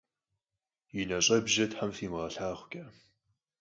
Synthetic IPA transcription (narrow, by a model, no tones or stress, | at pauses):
jinɐɕʼɐbʒɐtħamfiːmʁɐɬaːʁʷkʲʼɐ